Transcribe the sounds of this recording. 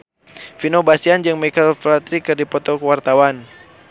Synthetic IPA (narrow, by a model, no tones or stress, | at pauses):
finobasiand͡ʒɨŋmɛkalflat̪ɾikɨrdipɔt̪ɔkwart̪awan